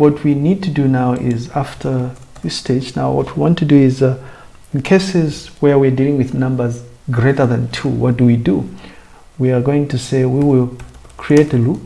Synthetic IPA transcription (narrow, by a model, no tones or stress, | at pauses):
wʌt̚ʰwinid̚tʰɨdɨnaʊʔɪzæftʰə˞ | ðɪstʰeɪd͡ʒna̰ʊwʌ̰t̚ʰwiwɑ̃ntʰɨdɨɪz | kʰeɪsɪzwə˞wiədilˠɪ̃ŋwɨðnʌ̃mbə˞z | ɡɹeɪɾə˞ðɨ̃ntʰṵwʌt̚d̥ɨwidu | wiə˞ɡoʊɪ̃ŋtɨseɪwiwɪlˠ | kʰɹ̥ieɪtɨlu